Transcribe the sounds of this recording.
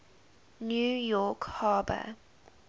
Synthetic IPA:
njuːjɔˑkhɑːbə̰

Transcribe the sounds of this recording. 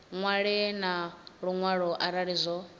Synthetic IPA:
ŋwaɺɛnaɺuŋwaɺɔʔaɾaɺizʷɔ

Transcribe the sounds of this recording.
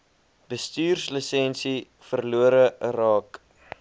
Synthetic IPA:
bəstyːrsləsɛnsi | fərluəɾərɑːk

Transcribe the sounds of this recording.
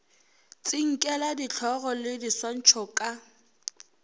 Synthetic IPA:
t͡sʼɪŋ̩kʼɛladit͡ɬʰɔɣɔlɪdiswan̩t͡ʃʰɔkʼa

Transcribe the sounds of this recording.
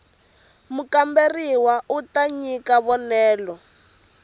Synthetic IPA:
mukamberiwautaɲikaβɔnɛːlɔ

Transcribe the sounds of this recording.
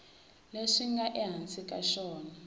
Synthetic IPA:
leʂiŋɡaʔɛɦant͡sʼikʼaʃɔːna

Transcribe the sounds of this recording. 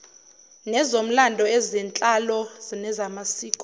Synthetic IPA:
nɛzom̩landʱɔɛzɛnt͡ɬʼalɔzinɛzamasiːkʼɔ

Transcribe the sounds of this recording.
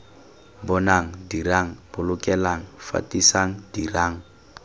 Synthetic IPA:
bɔnaŋ̩diraŋ̩bʊlʊkʼɛlaŋ̩fa̰tʼisaŋ̩diraːŋ̩

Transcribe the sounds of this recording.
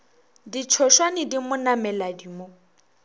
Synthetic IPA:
dit͡ʃʰɔʃwanɪdimʊnamɛladimo

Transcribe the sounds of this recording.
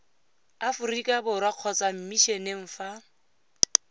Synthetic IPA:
afʊrikʼabʊrwaq͡χʰɔt͡sam̩miʃeneŋ̩ːfa

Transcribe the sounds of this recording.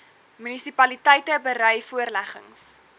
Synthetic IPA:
mynisipɐlitɛjtəbəɾœjfuərlæχə̰ŋs

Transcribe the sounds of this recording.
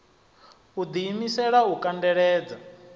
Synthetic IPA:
ud̪iːmisɛɺaukʼandɛɺɛːd͡za

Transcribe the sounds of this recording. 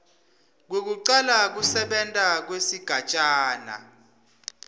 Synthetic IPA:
k̬wek̬uǀalak̬usɛɓɛntʼak̬wesiɡ̥ʱat͡ʃʼaːna̰

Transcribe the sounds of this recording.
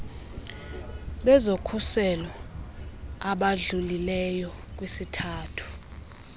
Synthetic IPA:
ɓɛzokʰusɛlɔ | aɓaɮulilɛjɔk̬ʼwisitʰaːtʰu̥

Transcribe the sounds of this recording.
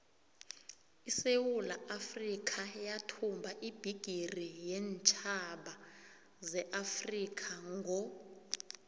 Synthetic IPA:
isewulaʔafrikʰajatʰumbʱaʔib̥ʱiɡ̥ʱirijɛnt͡ʃʰʼaɓa | zɛʔafrikʰaŋɡʱɔ

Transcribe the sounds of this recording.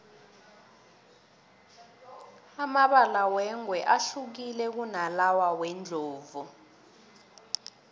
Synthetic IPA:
amaɓalawɛŋwɛʔaɬuk̬ilɛk̬unalawawɛnd͡ɮʱoːvu

